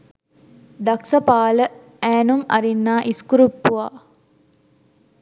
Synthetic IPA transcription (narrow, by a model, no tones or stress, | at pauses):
d̪aksəpaːlə | æːnuŋɐ̰ɾinːaːʔiskuɾupːuʋaː